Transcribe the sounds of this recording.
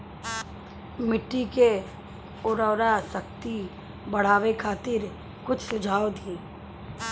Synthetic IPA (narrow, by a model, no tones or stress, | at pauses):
mɪʈːike | ʊɾɔːɾasəkt̪i | bɐɽ̤aːʋekʰaːt̪ɪɾ | kʊt͡ʃʰsʊd͡ʒʱaːod̪eː